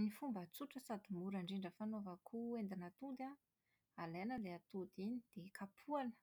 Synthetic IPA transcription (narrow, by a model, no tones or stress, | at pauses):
nifumbət͡suʈ͡ʂəsad̪imuɾaɳɖ͡ʐiɳɖ͡ʐəfanovəkʰuend̪inat̪ud̪a | alenəleat̪ud̪inid̪̥ekʰapʰuanə̥